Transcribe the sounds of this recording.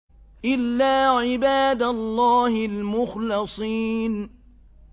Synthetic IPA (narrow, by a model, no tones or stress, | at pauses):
ʔɪlːaːʕɪbaːd̪alˤːɑːhɪlmʊxlɨsˤiːn